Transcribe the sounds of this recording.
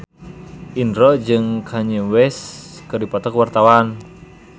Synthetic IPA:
ʔindɾɔd͡ʒɨŋkʰaɲəwɛskɨɾdipɔt̪ɔkwart̪awan

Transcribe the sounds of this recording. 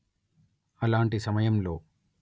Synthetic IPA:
ɐlaːɳʈisɐmɐjɐmlo̞̰ː

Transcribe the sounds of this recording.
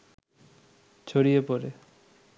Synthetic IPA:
t͡ɕʰoɽijepoɾe

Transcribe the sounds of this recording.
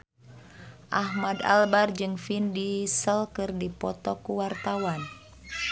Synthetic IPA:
ʔahmada̰lbard͡ʒɨŋfindisəlkɨrdipɔt̪ɔkuwart̪awan

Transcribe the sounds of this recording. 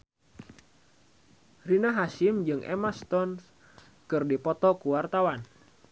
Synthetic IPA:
rinaɦaʃɪmd͡ʒɨŋʔḛmast̪ɔns | kɨrdipɔt̪ɔkuwart̪awan

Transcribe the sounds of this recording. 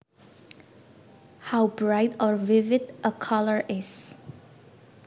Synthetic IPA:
hawbɹaɪtɔɹvɪvɪdʔəkʰʌləɹʔɪz̥

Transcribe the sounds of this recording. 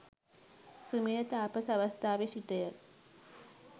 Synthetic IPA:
sumijɐt̪aːpɐsɐʋɐst̪aːʋeːʂiʈːɐjɐ

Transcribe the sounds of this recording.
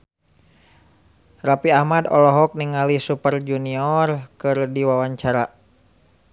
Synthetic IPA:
rapiahmadɔ̰lɔɦɔk̚niŋalisupərd͡ʒuniɔrkɨrdiwawaɲt͡ʃaɾa

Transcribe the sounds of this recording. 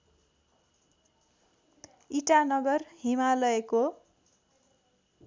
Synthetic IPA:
iʈanʌɡʌrhimalʌeko

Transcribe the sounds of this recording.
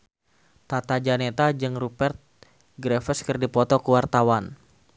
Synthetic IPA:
t̪at̪ad͡ʒanet̪ad͡ʒɨŋrupɛrt̪̚ | ɡɾɛfəskɨrdipɔt̪ɔkuwart̪awan

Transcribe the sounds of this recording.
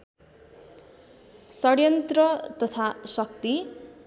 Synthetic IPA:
sʌɽjʌnt̪rʌt̪ʌt̪ʰasʌk̚t̪i

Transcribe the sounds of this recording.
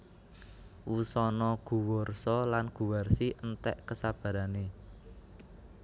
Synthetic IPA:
wusɔnɔɡ̥ṳwɔrsɔlanɡ̥ṳwarsiʔənt̪ɛʔkəsab̥a̤ɾane

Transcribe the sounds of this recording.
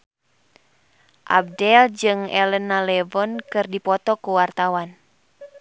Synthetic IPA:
ʔa̰b̚dɛld͡ʒɨŋɛ̰lənːalɛvɔnkɨrdipɔt̪ɔkuwart̪awan

